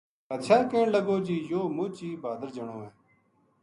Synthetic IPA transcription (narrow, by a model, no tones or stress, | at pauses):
ət̪ʃʰaːkẽːɳləɡoːd͡ʒiːjoːmʊ̃ːt͡ʃiːbaːd̪əɾd͡ʒəɳõːẽː